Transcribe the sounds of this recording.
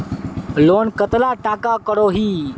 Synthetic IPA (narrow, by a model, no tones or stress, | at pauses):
lonkət̪laʈakakəɽoɦiː